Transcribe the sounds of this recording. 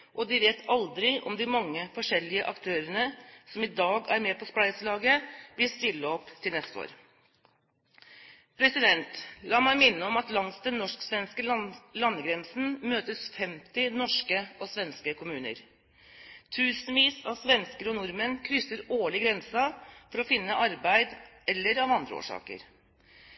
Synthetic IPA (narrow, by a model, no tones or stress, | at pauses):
ʔɔd̪ɪʋeːt̪ʰɑld̪ɾɪʔɔ̰md̪ɪmɑŋːəfɔʂɛlːɪəʔɑ̰kt̪ʰøːɾənəsɔmɪd̪ɑːɡæɾmeːpʰɔsplæɪslɑːɡəʋɪlst̪ɪlːəɔpːt̪ʰɪlnɛst̪əo̰ːɾ | pʰɾɛsɪd̪ɛnt̪lɑːmæɪmɪnːəɔmɑt̪lɑŋsd̪ɛnːɔʂksʋɛnskəlɑnːəɡɾɛnsn̩møːt̪əsfɛmt̪ɪnɔʂkəɔsʋɛnskəkʰʊmʉːnə̰ɾ | t̪ʰʉːsnʋiːsɑʋsʋɛnskəɾɔnʊɾmənkʰɾʏsːəɾoːɭɪɡɾɛnsɑfɔɾɔfɪnːəʔɑɾbæɪd̪ɛlːəɾɑʋɑnd̪ɾə̰o̰ːʂɑ̰ːkə̰ɾ